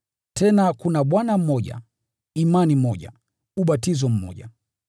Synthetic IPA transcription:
tʰɛnakunaɓwanam̩mɔʄa̰ | imanimɔʄa̰ | uɓatizɔm̩mɔ̰ʄa̰

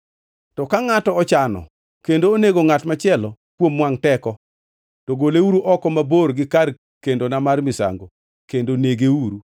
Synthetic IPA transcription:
tɔkaŋatɔɔt͡ʃanɔ̰ | kendoːneɡoŋatmat͡ʃɪɛlɔ | kwomːwaŋtɛkɔ | tɔɡoleuɾuʔɔkɔmaborɡɪkar | kendonamarmɪsa̰ŋɡo̰ | kendoneɡeuɾu

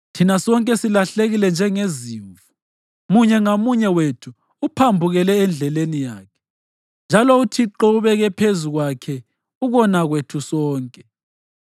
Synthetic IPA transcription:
tʰinasɔŋkʼɛsilaɬeɣilɛnd͡ʒʱɛŋeziːɱvu | muɲɛŋomuɲɛwetʰuː | pʰambʱuɣɛlɛːnd͡ɮʱɛlenijaːkʰɛ̥ | nd͡ʒʱalɔutʰiǃɔuβɛɣɛpʰezuɣwakʰɛ | uɣɔnaɣwetʰusɔːŋkʼɛ̥

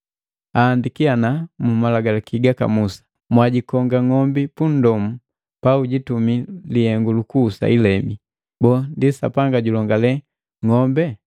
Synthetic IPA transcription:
aːndikianamumalaɡalakiɡaka̰musḁ | mwaɟikɔŋɡaŋɔmbipun̩dɔmu | pauɟitumilihɛŋɡulukuːsa̰ilɛmi | bɔndisa̰paŋɡaɟulɔŋɡalɛ | ŋɔmbɛ

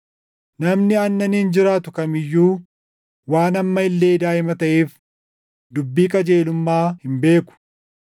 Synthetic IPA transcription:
nɐmnɪɐnːɐnhɪnd͡ʒɪɾaːt̪ʊkɐmɪjːuː | waːnɐmːɐɪlːe̞ːd̪aːɪmɐt̪ɐʔeːf | d̪ʊbːiːkʼɐd͡ʒe̞ːlʊmːaːhɪmbeːkʊ̥

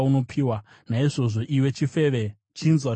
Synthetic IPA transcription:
uno̞pʰiwa | naiʐo̞ʐo̞ʔiwe̞t͡ʃifeʋe | t͡ʃinzwa

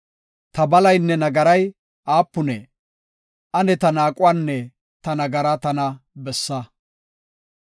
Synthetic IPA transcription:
t̪ɐbɐlɐjnːɛnɐɡɐɾɐj | ʔaːpːʊnɛ | ʔɐnɛt̪ɐnaːkʼʊwaːnːɛ | t̪ɐnɐɡɐɾɐt̪ɐnɐbɛsːɐ

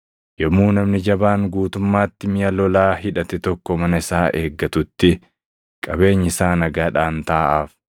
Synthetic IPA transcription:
jɔmːuːnɐmnɪd͡ʒɐbaːŋɡuːt̪ʊmːaːt̪ːɪmɪjɐlɔlaːɦɪᶑɐt̪ɛt̪ɔkːɔmɐnɐɪsaːʔe̞ːɡːɐt̪ʊt̪ːɪ | kʼɐbe̞ːɲːɪsaːnɐɡaːᶑaːnt̪aːʔaːf

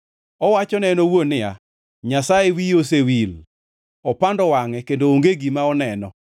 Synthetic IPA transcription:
ɔwat͡ʃɔnɛnɔwonɪa̰ | ɲasaewijos̬ewil | ɔpandɔwaŋɛkendooŋɡeɡimaɔnɛnɔ

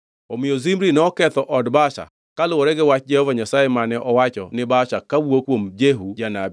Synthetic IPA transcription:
omɪozimɾinɔkɛtɔʔɔdbaʃa̰ | kalʊwɔɾɛɡewat͡ʃd͡ʒɛɔvaɲasajemanɛʔɔwat͡ʃɔ̰nɪbaʃakawuokomd͡ʒeɦud͡ʒanab

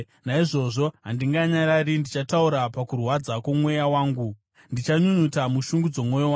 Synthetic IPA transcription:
naiʐo̞ʐo̞ɦandiŋɡaɲaɾarindit͡ʃatauɾapakurwad͡zakomwe̞jawaːŋɡu | ndit͡ʃaɲuɲutamuʃuŋɡud͡zo̞mwo̞jowa

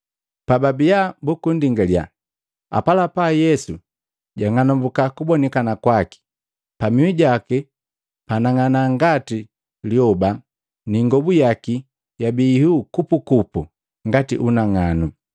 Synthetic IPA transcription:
pababijabukundiŋɡalja̰ | a̰palapajɛsu | ɟaŋanɔmbukakubɔnɛkanakwaki̥ | pamiwiɟakɛ | panaŋanaŋɡati | liɔba | niŋɡɔbujaki | jabiːhukupukupu | ŋɡatḭʔunaŋanu

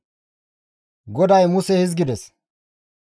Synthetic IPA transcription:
ɡɔd̪ɐjmʊsɛhɪzɡɪd̪ɛs

